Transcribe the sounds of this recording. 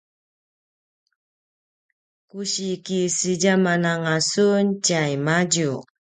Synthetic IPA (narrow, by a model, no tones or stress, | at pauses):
kuɕikisiɟamanaŋasunt͡ɕajmaɟu